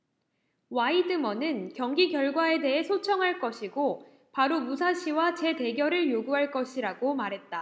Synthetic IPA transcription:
waidɯmʌnɯnkjʌŋɡiɡjʌɭɡwae̞de̞ɦe̞sʰot͡ɕʰʌŋɦaɭk͈ʌɕʰiɡo | paɾomusʰaɕʰiwat͡ɕe̞te̞ɡjʌɾɯɭjoɡuɦaɭk͈ʌɕʰiɾaɡomaɾɦe̞t̚t͈a

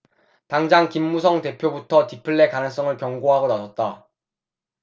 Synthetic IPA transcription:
taŋd͡ʑaŋkimːusʰʌŋte̞pʰjobutʰʌtipʰɯɭːe̞kanɯŋs͈ʌŋɯɭkjʌŋɡoɦaɡonasʰʌt̚t͈a

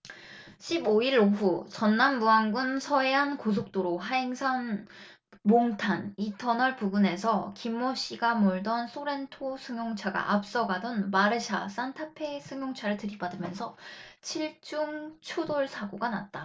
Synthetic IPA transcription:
ɕʰiboiɾoɸut͡ɕʌnːamːuaŋɡunsʰʌeɦankos̬ʰok̚t͈oɾoɦaeŋsʰan | moŋtʰanitʰʌnʌɭpubune̞sʰʌkimːoɕ͈iɡamoɭdʌnsʰoɾe̞ntʰosʰɯŋjoŋt͡ɕʰaɡa̰ʔap̚s͈ʌɡadʌnmaɾɯɕʰa̰s͈antʰapʰe̞sʰɯŋjoŋt͡ɕʰaɾɯɭtɯɾibadɯmjʌnsʰʌt͡ɕʰiɭt͡ɕ͈uŋt͡ɕʰudoɭsʰaɡoɡana̰t̚t͈a

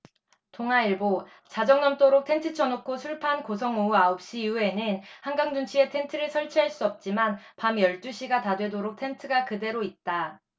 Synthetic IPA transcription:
toŋaiɭbo | t͡ɕad͡ʑʌŋnʌmt͈oɾok̚tʰe̞ntʰɯt͡ɕʰʌnokʰosʰuɭpʰankosʰʌŋouaop̚ɕ͈ijue̞nɯnhaŋɡaŋd͡ʑuŋt͡ɕʰie̞tʰe̞ntʰɯɾɯɭsʰʌɭt͡ɕʰiɦaɭs͈uʌp̚t͡ɕ͈imanpamjʌɭt͈uɕʰiɡatadwe̞doɾok̚tʰe̞ntʰɯɡakɯde̞ɾoit̚t͈a

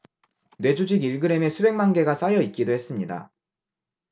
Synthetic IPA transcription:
nwe̞d͡ʑud͡ʑiɡiɭɡɯɾe̞me̞sʰube̞ŋmanɡe̞ɡas͈ajʌit̚k͈idohe̞s͈ɯmɲida̰

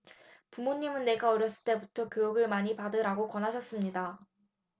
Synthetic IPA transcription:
pumoɲːimɯnːe̞ɡaʌɾjʌs͈ɯɭt͈e̞butʰʌkjojuɡɯɭmaɲipadɯɾaɡokwʌnɦaɕʰʌs͈ɯmɲida

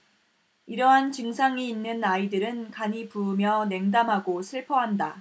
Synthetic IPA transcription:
iɾʌɦant͡ɕɯŋsʰaŋiinːɯnaidɯɾɯnkaɲipuːmjʌne̞ŋdamɦaɡosʰɯɭpʰʌɦanda

